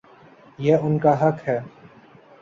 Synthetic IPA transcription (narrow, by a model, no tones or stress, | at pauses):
jɛʊnkaɦɐkɦɛː